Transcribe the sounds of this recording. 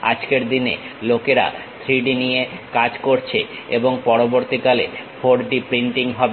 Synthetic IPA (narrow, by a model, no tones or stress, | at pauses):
a̰d͡ʑkeɾd̪inḛlokeɾa̰ | t̪ʰɾiɖinijekad͡ʑkoɾt͡ɕʰe | eboŋpɔɾoboɾt̪ikalḛfʰoɖɖipɾiɳʈiŋɦɔbe